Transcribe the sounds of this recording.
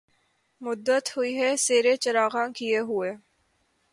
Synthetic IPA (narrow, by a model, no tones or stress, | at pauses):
mʊd̪ːət̪ɦʊiɦɛseːɾet͡ʃɐɾaːɣãkijeɦʊeː